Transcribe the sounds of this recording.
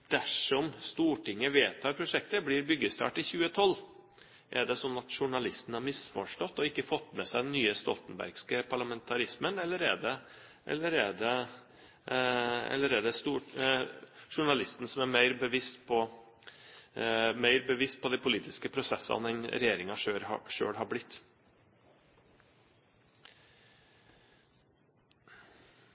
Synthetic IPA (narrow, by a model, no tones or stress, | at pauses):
d̪̥æʂɔmst̪uːʈɪŋːəʋeːt̪ʰːɑːɾpʰɾʊʂɛk̚t̪əblɪɾbʏɡəst̪ɑ̰ːʈɪçʉːət̪ʰɔlː | ʔɛɖɛsɔnːɑt̪ʂʊɳɑlɪst̪n̩hɑɾmɪsfɔʂʈɔt̪ːɔɪkːəfɔt̪ːmɛsæɪd̪ɛnːyːəst̪ɔlt̪ənbæ̰ɾɡskəpʰɑɭɑmɛnt̪ʰɑɾɪsmənɛlːəɾæɖ̪ɛ | ʔɛ̰lːəɾɛɖ̪ɛ | ɛ̰ləɾeːd̪əst̪uːʈ | ʂʊɳɑlɪst̪n̩sɔmæɾmæɪɾbəʋɪst̪pʰɔ | mæɪɾbəʋɪst̪̚pʰɔd̪æɪpʰʊliːt̪ʰɪskəpʰɾʊsɛsɑ̰nd̪ɛnɾɛjeːɾɪŋɑʂøːɾɑʂø̰ːɽɦɑblɪt̪ː